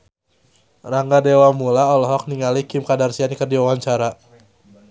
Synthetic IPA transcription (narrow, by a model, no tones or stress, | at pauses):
raŋɡadewamulaɔlɔɦɔk̚niŋalikɪmkadarsianikərdiwawaɲt͡ʃaɾa